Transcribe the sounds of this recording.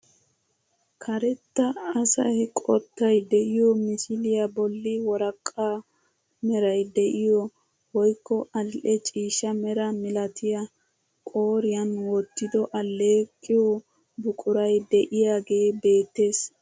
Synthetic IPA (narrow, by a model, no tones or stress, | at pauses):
kʰɐɾɛt̪ːɐɐsɐ̰jkʼɔt̪ːɐjd̪ɛʔɪjɔmɪsɪlɪjɐbɔlːɪwɔɾɐkʼːaː | mɛɾɐjd̪ɛʔɪjɔ | wɔjkːɔɐʔɛt͡ʃʼiːʃɐmɛɾɐmɪlɐt̪ʰɪjɐ | kʼoːɾɪjɐnwɔt̪ːɪd̪ɔʔɐlːe̞ːkʼːɪjɔ | bʊkʼʊɾɐjd̪ɛʔɪjaːɡe̞ːbe̞ːt̪ːe̞ːs